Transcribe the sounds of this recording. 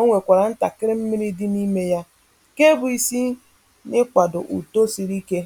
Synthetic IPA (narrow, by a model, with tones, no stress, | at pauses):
o˦ŋʷe˨kʷa˨ɾa˨n̩˦ta˨kɪ˦ɾɪ˦m̩˦mi˦ɾi˦dɪ˦ni˦me˦ja˦ | ke˦bʊ˨i˨si˦ | nɪ˦kʷa˨dʊ̰˨ʔṵ˨to˦si˨ɾi˦ke˦